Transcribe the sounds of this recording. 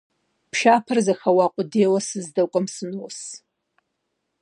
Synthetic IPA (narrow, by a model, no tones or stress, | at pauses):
pʰʃapʰɨrzaxawaqʷʼʊdejwasɨzdakʷʼamsɨnus